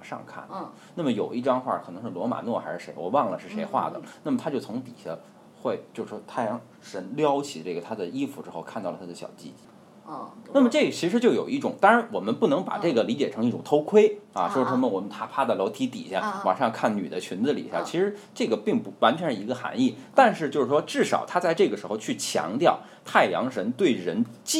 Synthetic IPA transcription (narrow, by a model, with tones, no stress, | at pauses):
wa˨˩ʂɑ̰˥˧ŋkʰa̰˥˩n | na˥˩mə˩jo˨˩ʊʔi˥˩ʈ͡ʂɑ˥ŋxwa˥˩kʰɤ˨˩nɤ˧˥ŋʂɻ̩˥˩lwɔ˧˥ma̰˨˩nwɔ˥˩xa˧˥ɪʂɻ̩˥˩ʂe˧˥ɪwɔ̰˨˩wɑ˥˩ŋlə˩ʂɻ̩˥˩ʂe˧˥ɪxwa̰˥˩d̪ə̰˩na˥˩mət̪ʰa˥t͡ɕjo˥˩ʊt͡sʰʊ˧˥ŋt̪i˨˩ɕa̰˥˩ | xwe˥˩ɪt͡ɕjo˥˧ʂʂwɔ˥t̪ʰa˥jɑ˧˥ŋ | ʂə˧˥nljɑ˥ʊt͡ɕʰi˨˩ʈ͡ʂɤ˥˩ɡə˩t̪ʰa˥d͡za˥˩ɪi˥fu˧ʈ͡ʂɻ̩˥xo˥˧ʊkʰa˥˧nt̪ɑ˥˩ʊlə˩t̪ʰa˥ə˧ɕjɑ̰˨˩ʊt͡ɕḭ˥t͡ɕi˧˥˩ | a˥˩mə˩ʈ͡ʂɤ˥˩ɡə˩t͡ɕʰi˧˥ʂɻ̩˧˥t͡ɕjo˥˩ʊjo˨˩i˥˩ʈ͡ʂʊ̰˨˩ŋt̪a˥ŋɻa˧˥nwɔ˨˩mə˦npu˥˩nɤ˧˥ŋpa̰˨˩ʈ͡ʂɤ˥˩ɡə˩li˧˥t͡ɕjɛ˨˩ʈ͡ʂʰɤ˧˥ŋi˥˩ʈ͡ʂʊ˨˩ŋt̪ʰo˥ʊkʰwe˥ɪɐ̰˧˨ʂwɔ˥ʈ͡ʂʰə˥ŋmə˧˨wɔ˨˩mə˦nt̪ʰa˥pʰa˥d̪ə˨lo˧˥ʊt̪ʰi˧˥t̪ḭ˨˩ɕja˥˩˥wa̰˨˩ʂɑ˥˧ŋkʰa˥˩nny̰˨˩d̪ə˦t͡ɕʰy˧˥nt͡sɹ̩˥˧lḭ˨˩ɕja˥˩t͡ɕʰi˧˥ʂɻ̩˧˥ʈ͡ʂɤ˥˩ɡə˩pi˥˩ŋpu˧˥wa˧˥nt͡ɕʰɥɛ˧˥n̩˥˩i˧˥ɡə˧xa̰˧˥ni˥˩t̪a˥˧nʂɻ̩˥˧t͡ɕjo˥˧ʂɻ̩˥˩ʂwɔ˥ʈ͡ʂɻ̩˥˩ʂɑ˨˩ʊt̪ʰa˥t͡sa˥˧ɪʈ͡ʂɤ˥˩ɡə˩ʂɻ̩˧˥xo˧ʊt͡ɕʰy˥˩t͡ɕʰjɑ̰˧˥ŋt̪jɑ˥˩ʊ | t̪ʰa˥˩ɪjɑ̰˧˥ŋʂə˧˥nt̪we˥˩ɪɻə˧˥nt͡ɕ